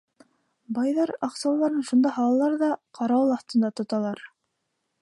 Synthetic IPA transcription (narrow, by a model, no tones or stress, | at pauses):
bɑjðɑɾɑqsɑwlˠɑɾɤnʃund̪ɑɦɑlˠɑlˠɑɾðɑqʰɑɾɑwɤlˠɑθt̪ɤ̆nd̪ɑt̪ŏt̪ɑlˠɑɾ